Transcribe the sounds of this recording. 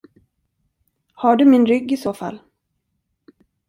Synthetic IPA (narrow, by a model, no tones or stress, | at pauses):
haɖɵmɪnɾʏɡːɪsoːfa̰lː